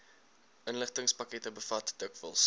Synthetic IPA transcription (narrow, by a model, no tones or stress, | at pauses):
ʔənləχtəŋspɐkɛtəbəfɐtd̥əkvəlˠs